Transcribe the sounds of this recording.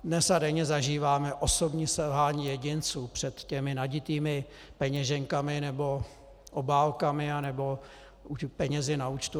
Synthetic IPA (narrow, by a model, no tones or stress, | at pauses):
dnɛsadɛɲɛzaʒiːvaːmɛʔo̞so̞bɲiːsɛlɦaːɲiːjɛɟɪnt͡suːpr̝̥ɛt̪cɛmɪnaɟɪt̪iːmɪ | pɛɲɛʒɛŋkamɪnɛbo̞ | ʔobaːlkamɪanɛbo̞ | upɛɲɛzɪnauːt͡ʃt̪u